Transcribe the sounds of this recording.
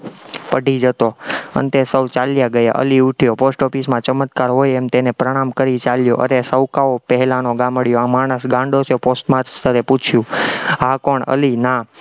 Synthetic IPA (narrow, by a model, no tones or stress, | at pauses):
pəɖʱid͡ʒət̪oə̰nt̪esəwt͡ʃaljaɡəja̰ʔə̰liuʈʰjoposʈofismãt͡ʃəmət̪kaɾɦojemt̪enepɾəɽ̃amkəɾit͡ʃaljoʔə̰ɾesəwkaopəɦɛlanoɡaməɽjoãmaɽ̃əsɡãɳɖot͡ʃʰeposʈmãt̪st̪ʰəɾeput͡ʃʰjũɦãkoɳə̰lina